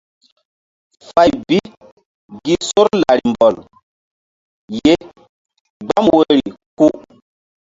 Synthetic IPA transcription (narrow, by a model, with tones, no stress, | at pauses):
fa˨jbi˦ | ɡi˦so˦ɾla˨ɾi˨mbɔ˨l | je˦ | ɡ͡ba˦mwe˦ɾi˨ku˦ʔ